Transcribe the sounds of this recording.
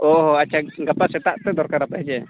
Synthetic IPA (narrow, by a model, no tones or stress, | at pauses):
ɔɦɔat͡ʃʰaɡapasɛt̪aʔt̪ɛd̪ɔɾkaɾapaɦd͡ʒɛ